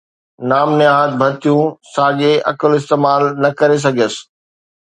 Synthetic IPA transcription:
naːmnɪaːɦət̪̚bʱɐɾt̪ijũsaːɠeʔɐ̰kəlɪst̪eːmaːlnɐkɐɾes̬ɐɡʱəsɪ̥̆

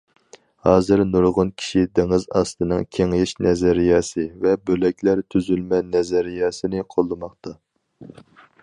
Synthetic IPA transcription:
hɑːzɨɾnuɾʁʊnkʲʰi̥ʃid̪eŋɪzɑst̪ɨnɨŋkʲʰeŋɪʃnɛzɛɾijɑːsɨvɛbølɛkʲʰlæɾt̪ʰyzylmɛnɛzɛɾijɑːsɨnɨqʰolˠːɨmɑχt̪ɑ

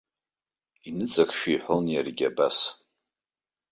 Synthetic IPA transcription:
inɨt͡sʼakʰʼʃᶣiiħʷonjarɡʲabas

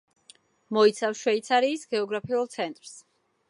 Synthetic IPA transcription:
mɔit̪sʰafʃwɛit̪sʰaɾiːsɡɛɔɡɾapʰiulˠt̪sʰɛnt̪ʼɾs

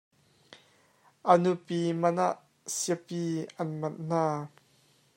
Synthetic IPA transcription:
ʔənupimɐnaʔ | siəpiʔɐnmɐt̚n̥aː

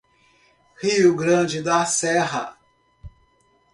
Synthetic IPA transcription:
hiʊɡɾɐ̃d͡ʒɪd̪ɐsɛɦɐ̰

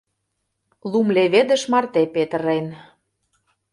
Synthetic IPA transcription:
lumleβed̪ə̆ʃmɑrt̪epet̪əɾen

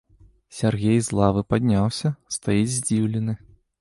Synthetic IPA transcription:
sʲarɣʲejzlˠavɨpad̪ʲnʲawsʲɐst̪ajid͡zʲzʲd͡zʲiwlʲɪnɨ

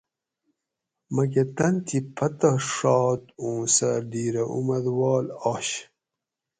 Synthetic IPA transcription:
mɐk̬et̪ɐnt̪ʰipʰɐt̪ɐʂɑːt̪ũːsɐɾdiːɾɐʔṵmɐd̪wɑːlaːɕ

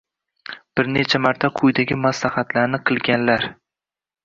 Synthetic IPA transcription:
b̥ɪɾne̞t͡ʃʰamaɾt̪ʰaqʰʊjd̪aɡʲɪmaslahat̪ʰlaɾnɪqʰɨlˠɡʲanlaɾ

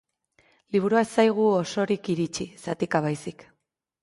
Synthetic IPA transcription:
liβ̞uɾuaesajɣ̞uoso̞ɾikiɾit͡ʃisat̪ikaβajsik

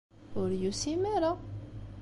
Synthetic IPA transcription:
ʊɾjusimæɾa

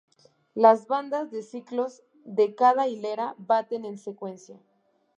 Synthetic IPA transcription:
lazβand̪azðe̞siklo̞z | ðe̞kaðaile̞ɾaβat̪e̞nẽ̞nse̞kwe̞nsja

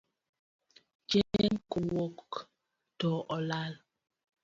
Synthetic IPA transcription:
t͡ʃɛŋkuwok | tɔʔɔlal

